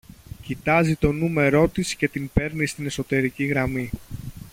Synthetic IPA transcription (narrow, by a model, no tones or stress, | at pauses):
cit̪ɐzit̪o̞nume̞ɾo̞t̪isce̞t̪impe̞ɾnist̪ine̞so̞t̪e̞ɾiciɣɾɐmi